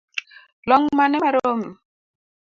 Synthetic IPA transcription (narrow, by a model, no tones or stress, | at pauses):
lɔŋmanɛmɛɾom